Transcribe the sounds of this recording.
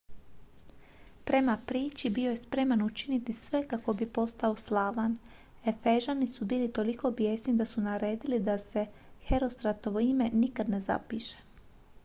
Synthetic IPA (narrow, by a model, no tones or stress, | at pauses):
pɾe̞mapɾiːt͡ʃibio̞je̞spɾe̞manut͡ʃinit̪isʋe̞kako̞bipo̞st̪ao̞slˠaːʋan | e̞fe̞ʒanisubiːlit̪o̞liko̞bje̞ːsnid̪asunaɾe̞ːd̪ilid̪ase̞ | he̞ɾo̞st̪ɾat̪o̞ʋo̞ime̞nikad̪ne̞za̰piʃe̥